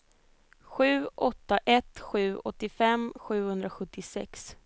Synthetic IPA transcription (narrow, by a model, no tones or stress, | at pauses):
ɧʉ̟ːʔɔt̪ːaʔɛt̪ɧʉ̟ːɔt̪ːɪfɛmɧʉ̟ːhɵnd̪ɾaɧɵt̪ːɪsɛ̰ks